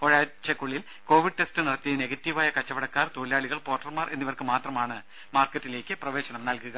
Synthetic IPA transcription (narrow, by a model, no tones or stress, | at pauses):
oɻaːt͡ɕːɐkːuɭːil | ko̞ːʋiɖɨʈe̞stɨniɽɐt̪ːijneɡɐtːiʋaːjɐkɐt͡ɕːɐʋɐɽɐkːaːrt̪oːliaːɭiɣɐɭpoːrʈːɐrmaːrʔe̞̰nːiʋɐrkɨmaːt̪rɐmaːɳɨ | maːrkːɐtːile̞ːkʲːɨprɐʋe̞ːɕɐnɐmnɐlkuɣɐ